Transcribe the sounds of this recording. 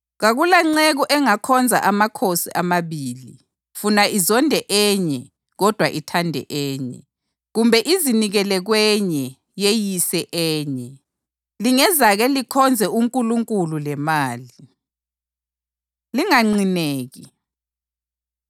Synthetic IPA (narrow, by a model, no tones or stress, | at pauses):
ɣaɣulaŋ͡ǀeɣuʔɛŋakʰɔnd͡zʱa̰ʔamakʰosiʔamaβiːli | funaizɔndʱɛʔɛːɲɛ | ɣɔd̥ʱwaʔitʰandʱɛ̰ʔɛːɲɛ̰ | ɣumbʱɛʔiziniɣɛlɛɣwɛɲɛ | jejisɛʔɛːɲɛ | liŋɛzaɣɛlikʰɔnd͡zʱɛuŋkʼuluŋkʼululɛmaːli | liŋaŋ͡ǀineːɣi